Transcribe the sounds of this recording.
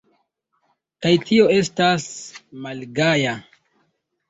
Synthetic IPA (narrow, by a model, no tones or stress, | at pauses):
kajtio̞e̞stasmalɡaja